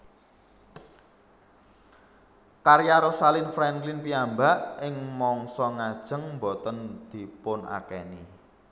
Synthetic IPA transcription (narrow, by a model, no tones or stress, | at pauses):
kaɾiaɾosalɪnfɾɛŋklɪnpiambaʔɪŋmɔŋsɔŋad̥ʒ̥ə̤ŋmbot̪ənd̪̥i̤pʊna̰kɛni